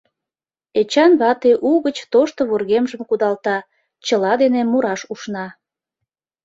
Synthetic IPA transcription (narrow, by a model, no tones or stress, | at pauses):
et͡ɕɑnβɑt̪eʔuɣət͡ɕt̪oʃt̪oβurɣemʒəmkud̪ɑlt̪ɑ | t͡ɕəlɑd̪enemuɾɑʃuʃnɑ